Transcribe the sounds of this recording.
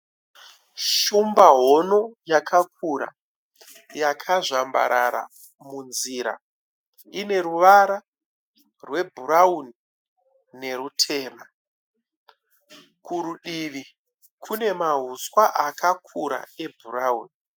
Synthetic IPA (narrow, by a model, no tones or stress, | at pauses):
ʃumbaɦo̞no̞jakʰak̚ʰuɾa̰ | jakʰaʐamba̰ɾaɾa̰ | munziɾa̰ | ine̞ɾuʋaɾa | rwe̞bʱuɾauni | ne̞ɾutʰe̞ːma | kuɾuɗiʋi | kʰune̞maɦuswaʔakakʰuɾa̰e̞bʱurauːni